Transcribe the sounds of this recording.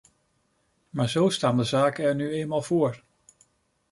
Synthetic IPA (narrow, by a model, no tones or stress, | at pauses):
maːɹzowstaːndəzaːkəɛɹnyejnmaːlˠvoːɹ